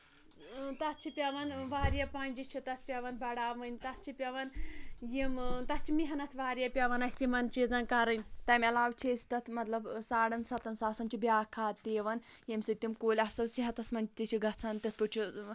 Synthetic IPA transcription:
t̪ɐt̪̚ʰt͡ʃʰipʲɐʋɐnʋaːɾʲjɐpaːnʲd͡ʒit͡ʃʰit̪ɐt̪ʰpʲɐʋɐnbɐɽaːmɨnʲt̪ɐt̪̚ʰt͡ʃʰipʲɐʋɐnjimt̪ɐt͡ʃʰimiɦɐnɐt̪ʰʋaːɾjɐpʲɐʋɐnɐsimɐnt͡ʃizɐnkɐɾɐnʲt̪ɐmʲɐlaːwt͡ʃʰeːsʲt̪ɐt̪ʰmɐt̪lɐbsaːɽɐnsɐt̪ɐnsaːsɐnt͡ʃʰibiaːkʰaːt̪eːʋɐnjemsit̪imkoːlʲɐsɐlsiɦɐt̪ɐsmɐnʲt͡ʃʰt̪it͡ʃʰiɡɐt͡sʰɐnt̪it̪̚ʰput͡ʃʰi

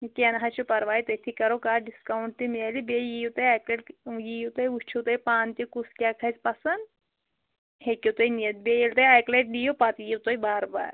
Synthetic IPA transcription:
keːnɦat͡ʃʰupɐɾʋaːit̪ɐt̪ʰikɐɾokaːɖiskɐwɳʈ̚t̪imielibejit̪ɐjaːkleɖjiːut̪ɐjut͡ʃʰut̪ɐjpaːnt̪ikuskʲaːkʰɐspɐsɐn | hekʲiwt̪ojniɐt̪̚bejelt̪ɐjaːjkleʈ̚ɖiːjopat̪jiwt̪ojbaːɾba̰ːɾ

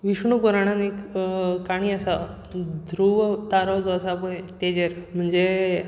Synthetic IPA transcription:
ʋiʂɳupuɾaɽ̃anekkaɽ̃iːasa | d̪ʱɾuʋt̪aɾawd͡zɔəsapoet̪ed͡ʑeɾm̤əɳd͡ze

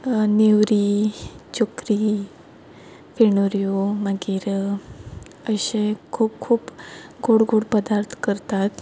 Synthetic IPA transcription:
newɾit͡ɕokɾi | fiɳoɾijomaɡiɾ | əɕẽkʰuːp̚kʰuːpɡoɽɡoɽpəd̪aɾt̪ʰkəɾt̪at̪

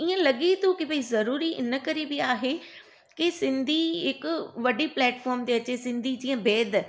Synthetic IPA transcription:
iə̃lɐɠit̪okɪʋizɐɾuːɾiʔɪ̰nə̆kɐɾibɪaːɦe | kisɪ̃nd̪ʱiɦɪkʊʋɐɖiplɛːʈfɔːɾmt̪eɐt͡ɕesɪ̃nd̪ʱid͡ʑĩːə̃bʱeːd̪ʱ

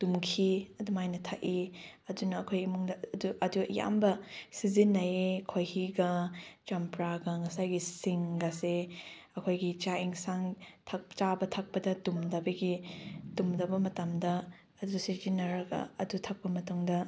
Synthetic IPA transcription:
d̥umkʰiɐdumajnɐtʰaʔiɐdunɐːkʰojimuŋdɐduʔɐduɐ̰ja̰mbɐsizinːɐekʰojhiɡɐt͡ʃɐmpɾaɡɐŋɐsajɡisiŋɡɐseɐkʰojɡit͡ʃaiŋsaŋtʰɐk̚t͡ʃabɐtʰɐk̚pɐdɐdumdɐbɐɡidumdɐbɐmɐtɐmdɐ | ɐdusizinɐɾɐɡɐ̰ɐ̰dutʰɐk̚pɐmɐtuŋdɐ

